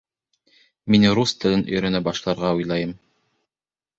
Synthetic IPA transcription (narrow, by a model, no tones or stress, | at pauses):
minɾust̪ɤ̆lɤnɵ̰jɾɵ̆næbɑʃlˠɑɾʁɑujlˠɑjɤm